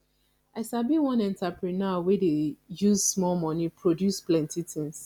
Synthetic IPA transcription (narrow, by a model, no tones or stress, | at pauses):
aɪsabiwɔ̃nɛ̃ntapɹinawedejuzsmɔlmɔ̃nipʰɹodjusplɛ̃ntitĩŋs